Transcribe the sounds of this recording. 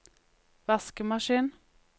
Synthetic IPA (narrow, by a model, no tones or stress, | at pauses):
ʋæskəmɑʃiːn